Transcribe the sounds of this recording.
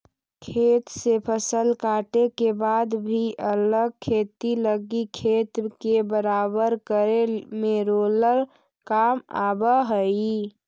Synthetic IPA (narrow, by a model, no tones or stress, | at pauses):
kʰeːt̪sepʰəsəlkaːʈekebad̪bʱiʔələɡ̚kʰeːt̪iləɡikʰeːt̪kebəɾaːbəɾkəɾemeɾoləɾ | kama̰ːbəɦəi